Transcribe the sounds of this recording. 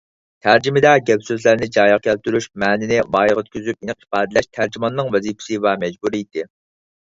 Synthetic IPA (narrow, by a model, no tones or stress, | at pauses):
t̪ʰæɾd͡ʒimɪd̪ɛɡʲɛbsøzlæɾnɪd͡ʒɑːjəʁkʲʰɛlt̪yɾyʃmɛːnɪnɪvɑːjʁøt̪̚kʲʰyzyp̚inɨq̚i̥pɑːd̪ɨlɛʃt̪ʰæɾd͡ʒimɑnːɨŋvɛzipʰɪ̥sɪvɛmɛd͡ʒbuɾiit̪ɪ